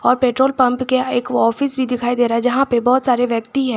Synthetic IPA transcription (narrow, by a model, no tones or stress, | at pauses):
ɔːɾpeːʈɾoːlpɐ̃mpkeeːkɔːfɪsbʱid̪ɪkʰaːid̪eːɾaɛd͡ʒɐɦãpebɔːt̪saːɾeʋjɐkt̪iɦɛ̃ː